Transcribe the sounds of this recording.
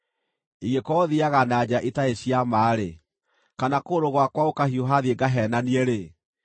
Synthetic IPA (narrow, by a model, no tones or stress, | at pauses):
iɣekɔðiaɣanaːd͡ʑaʔetaeɕiamaːɾe | kanakoɾoɣwakwaokahioɦaðieɡaɦɛːnaniɛɾe